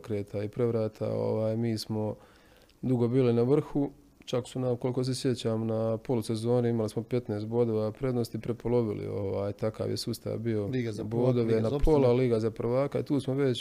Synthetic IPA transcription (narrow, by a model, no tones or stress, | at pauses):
kɾeːt̪ʰaipɾe̞ʋɾaːt̪ʰa̰o̰ʋaːjmiːsmo̞ | d̪uɡo̞biːlinaʋr̩xu | t͡ʃaksunamko̞liko̞s̬esje̞t͡ɕaːmnapo̞luse̞zo̞ːniimalismo̞pe̞t̪ne̞ːst̪̚bo̞ːd̪o̞ːʋapɾe̞d̪nost̪ipɾe̞po̞lo̞ʋḭlḭoʋaːjt̪aka̰ːʋjesuːst̪a̰ːʋbio̞boːd̪oʋenapʰolaliːɡazapr̩ʋaːkaḭt̪uːsmo̞ʋe̞t͡ɕ